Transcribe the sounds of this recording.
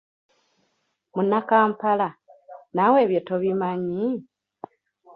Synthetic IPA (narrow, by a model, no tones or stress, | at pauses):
munːakaːmpalanawe̞ːβjotoβimaɲi